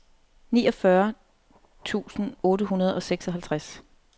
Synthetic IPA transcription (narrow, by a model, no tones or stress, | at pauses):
nḭːɒ̽fɶɐ | t͡sʰṵːsn̩ɔ̽ːɾəɦunɐð̞̩ˠɒ̽seɡ̥sɒ̽ɦælt͡sʰʁas